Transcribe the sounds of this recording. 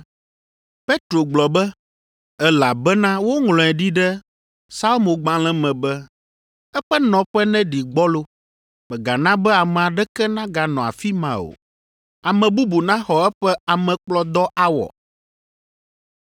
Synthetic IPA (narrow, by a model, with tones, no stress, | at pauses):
pe˦t̪ɾo˨ɡ͡blɔ˨bɛ˦ | ɛ˦la˨bɛ˦nã˦wo˦ŋlɔ̃˨ɛ˨ɖi˦ɖɛ˦ | sa˦lo˦mo˨ɡ͡bã˦l̃ɛ̃˦mɛ̃˨bɛ˦ | ɛ˦ɸɛ˦nɔ̃˨ɸɛ˦nɛ̃˦ɖi˨ɡ͡bɔ˦lo˦ | mɛ˨ɡa˨nã˦bɛ˦a˨mɛ̃˨a˨ɖɛ˦kɛ˦nã˦ɡa˨nɔ̃˨a̰˨fi˦mã̰˨o̰˨ | a˨mɛ̃˨bu˦bu˨nã˦xɔ˨ɛ˦ɸɛ˦a˨mɛ̃˨k͡plɔ˦d̪ɔ˦ʔa˦wɔ̰˨